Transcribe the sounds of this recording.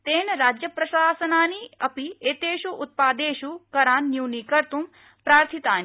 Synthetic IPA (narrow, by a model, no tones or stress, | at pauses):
t̪eːnɐɾaːd͡ʒjɐpɾɐʃaːsɐnaːniɐpieːt̪eːʃuʔʊt̪̚paːd̪eːʃukɐɾaːnːjuːnikɐɾt̪um | pɾaːɾt̪ʰit̪aːni